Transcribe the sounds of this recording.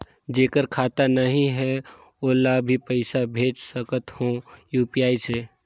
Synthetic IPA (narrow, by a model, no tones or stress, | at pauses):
d͡ʒeːkəɾkʰaːt̪anəɦĩɦɛ | olaːbʱipəɪsabʱeːt͡ʃsəkət̪hõjuːpiaːise